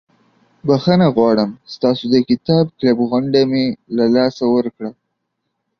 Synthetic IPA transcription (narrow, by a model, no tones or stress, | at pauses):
baxənaɣwɑɽəmst̪ɑsod̪əkɪt̪ɑb̚klabɣʊɳɖamelalɑsawəɾkɽa